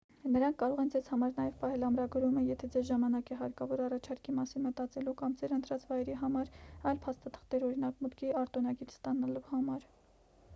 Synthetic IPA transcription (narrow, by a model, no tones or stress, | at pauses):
nəɾɑŋkʰkɑɾɔʁɛnd͡zɛzhɑmɑɾnɑjɛvpɑhɛlɑmɾɑɡɾuməjɛt̪ʰɛd͡zɛzʒɑmɑnɑkɛɦɑɾkɑvɔɾɑrɑt͡ʃʰɑɾkimɑsinmət̪ɑt͡sɛlukɑmd͡zɛɾənt̪ɾɑt͡svɑjɛɾiɦɑmɑɾɑjlpʰɑst̪ɑt̪ʰə̥χt̪ɛɾɔɾinɑkmut̪kʰiɑɾt̪ɔnɑɡiɾst̪ɑnɑluhɑmɑɾ